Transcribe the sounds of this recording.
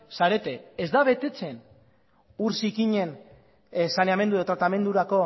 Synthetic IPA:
saɾe̞t̪e̞ezd̪aβ̞e̞t̪e̞t͡se̞n | uɾsikiɲe̞n | saneame̞nd̪ueot̪ɾat̪ame̞nd̪uɾako̞

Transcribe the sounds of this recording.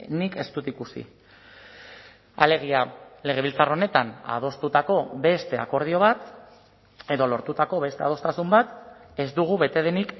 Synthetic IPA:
nike̞st̪ut̪ikusḭ | ale̞ɣ̞iale̞ɣ̞e̞βilt͡saro̞ne̞t̪ana̰ð̞o̞st̪ut̪ako̞βe̞st̪e̞a̰ko̞ɾð̞io̞β̞at̪ | e̞ðo̞lo̞ɾt̪ut̪ako̞βe̞st̪e̞a̰ð̞o̞st̪asumbat̪e̞zd̪uɣ̞uβe̞t̪e̞ðenik

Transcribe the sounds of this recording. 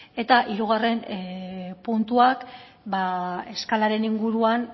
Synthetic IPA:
e̞t̪aʔiɾuɣ̞are̞n | punt̪uak | bae̞skalaɾe̞niŋɡuɾuan

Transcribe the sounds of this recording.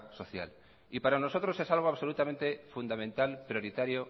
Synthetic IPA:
so̞θja̰l | ipaɾano̞so̞t̪ɾo̞se̞salɣ̞oaβso̞lut̪amẽnt̪e̞fund̪amẽnt̪alpɾjo̞ɾit̪aɾjo

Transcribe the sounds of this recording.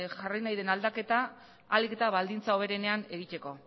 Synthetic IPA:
ʝarijnajðe̞nald̪ake̞t̪aː | like̞t̪aβald̪int͡sao̞βe̞ɾe̞ne̞ane̞ɣit̪e̞ko̞

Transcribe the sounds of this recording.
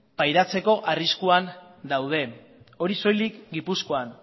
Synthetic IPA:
pajɾat͡se̞ko̞ʔariskuan | d̪awð̞e̞ | o̞ɾiso̞jlikɡipusko̞an

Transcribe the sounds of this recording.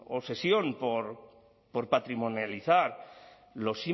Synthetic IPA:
ose̞sjo̞npoɾ | poɾpat̪ɾimõnjaliθaɾ | lo̞si

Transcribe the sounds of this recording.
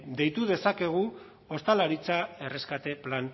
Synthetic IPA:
d̪ejt̪uðe̞sake̞ɣ̞u | o̞st̪alaɾit͡sae̞re̞skat̪e̞plan

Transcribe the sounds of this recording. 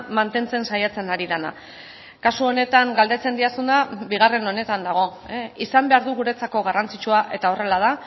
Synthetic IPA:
mant̪e̞nt͡se̞nsajat͡se̞naɾiðana̰ | kasuo̞ne̞t̪aŋɡald̪e̞t͡se̞nd̪iasund̪abiɣ̞are̞no̞ne̞t̪and̪aɣ̞o̞isambe̞aɾðuɣuɾe̞t͡sako̞ɣ̞arant͡sit͡ʃuaʔe̞t̪ao̞re̞laða

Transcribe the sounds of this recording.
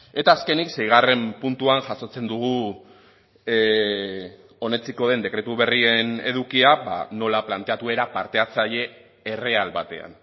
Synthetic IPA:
e̞t̪aːske̞nikse̞jɣ̞are̞mpunt̪uanʝaso̞t͡se̞nd̪uɣ̞u | o̞ne̞t͡siko̞ðe̞nd̪e̞kɾe̞t̪uβe̞rie̞ne̞ðukiaba̰no̞laplant̪e̞at̪ue̞ɾapaɾt̪e̞at͡saʎe̞ː | re̞alβat̪e̞̰a̰n

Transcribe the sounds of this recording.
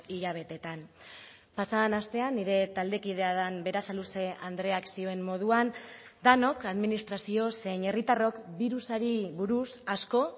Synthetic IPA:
iʎaβ̞e̞t̪e̞t̪an | pasaanast̪e̞anːiɾe̞t̪ald̪e̞kiðe̞aðambe̞ɾasaluse̞and̪ɾe̞aksio̞e̞mmo̞ð̞uan | d̪ano̞kaðminist̪ɾasio̞seɲe̞rit̪aro̞kbiɾusaɾiβuɾusasko̞

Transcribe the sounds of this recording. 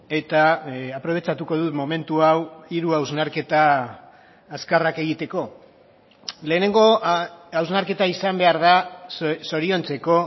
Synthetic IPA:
e̞t̪aapɾo̞βe̞t͡ʃat̪uko̞ð̞ut̪mo̞me̞nt̪uawiɾuawznaɾke̞t̪aː | skarake̞ɣ̞it̪e̞ko̞ | le̞ːne̞ŋɡo̞awznaɾke̞t̪aisambe̞aɾðaso̞ɾio̞nt͡se̞ko̞

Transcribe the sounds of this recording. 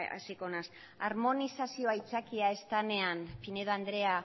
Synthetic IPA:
a̰sikonas | aɾmo̞nisasio̞ajt͡sakiae̞st̪ane̞anpineðoand̪ɾe̞a

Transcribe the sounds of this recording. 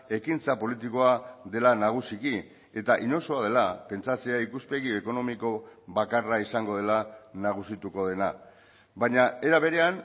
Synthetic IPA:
e̞kint͡sapo̞lit̪iko̞aðe̞lanaɣ̞usiki | e̞t̪aʔiɲo̞so̞aðe̞lape̞nt͡sasiaikuspe̞ɣ̞ie̞ko̞no̞miko̞βakaraisaŋɡo̞ð̞e̞lanaɣ̞usit̪uko̞ð̞e̞na | baɲae̞ɾaβ̞e̞ɾe̞an

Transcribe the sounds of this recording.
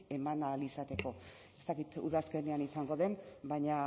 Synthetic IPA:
e̞manalisat̪e̞ko̞ | e̞st̪akit̪ṵðaske̞neanisaŋɡo̞ðe̞mbajɲa

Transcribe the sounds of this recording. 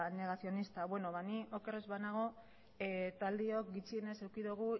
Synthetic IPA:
ne̞ɣ̞asio̞nist̪aβwe̞no̞βanio̞kerezβanaɣ̞o̞ | t̪ald̪io̞kɡit͡siene̞sewkiðuɣ̞u

